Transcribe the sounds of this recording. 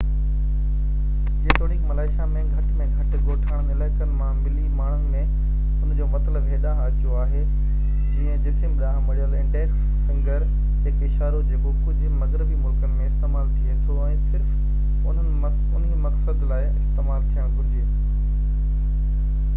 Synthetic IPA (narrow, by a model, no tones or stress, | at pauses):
d͡ʑeːt̪ʰoːɽiːkmɐlaːɪʃamẽɡʱɐʈmẽɡʱɐʈɪ̆ɡoːʈʰaːɽ̃ənɪlaːɪkənɪ̆mãmɪlimaːɳ̤̃ʊnɪ̆mẽ | ʊnd͡ʑoːmɐt̪ləbɦeːɗaɦaːtʰijoaːɦeː | d͡ʑĩə̃d͡ʑɪt̪ʰɪ̃mɪɗaːɦmɐɽijəlɪ̃ɳɖeːks | sɐ̃ŋɡəɾ | ɦɪkɪʃaːɾod͡ʑeːkokʊd͡ʑʱʊ̆mɐɡɾɪbimʊlkənɪ̆mẽɪst̪eːmaːlt̪ʰiet̪ʰoɛ̃ːsɪɾf | ʊən | ʊnɦimɐksəd̪laːɪɪst̪eːmaːlt̪ʰijə̃kʊɾɪd͡ʑeː